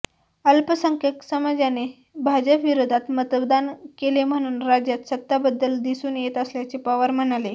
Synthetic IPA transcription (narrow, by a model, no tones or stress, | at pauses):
əlpəsəŋkjəksəmad͡zjane | bʱad͡ʑəpʋiɾod̪ʱat̪mət̪bd̪ankelem̤əɽ̃uːnɾad͡ʑjat̪sət̪ːabəd̪ːəld̪isuːnjet̪əsljat͡sepaʋəɾm̤əɽale